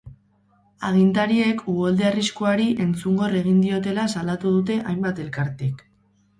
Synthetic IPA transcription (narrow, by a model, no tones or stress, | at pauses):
aɣ̞int̪aɾie̞kuɣo̞ld̪eariskoaɾiʔe̞nt͡suŋɡo̞re̞ɣ̞ind̪io̞t̪e̞lasalat̪uð̞ut̪e̞ʔajmbat̪e̞lkaɾt̪ek